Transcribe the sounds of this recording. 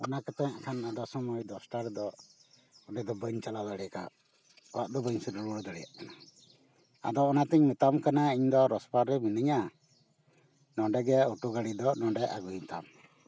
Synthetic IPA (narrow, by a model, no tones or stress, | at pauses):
ɔnakat̪ɛ̃ʔkʰanad̪ɔsɔmɔjd̪ɔsʈaɾd̪ɔ | ɔɖɛd̪ɔbəɲt͡ʃalad̪aɽɛka̰ | ɔwaʔd̪ɔbəɲsiɾuɾuɽɔd̪əɽɛja̰ʔkana | a̰d̪ɔːnat̪ɛɲmɛt̪amkanaiɲd̪ɔɾɔspaɾɾɛminiɲa | nɔɖɛɡɛuʈuɡaɽid̪ɔnɔɖɛʔa̰ɡujmɛt̪am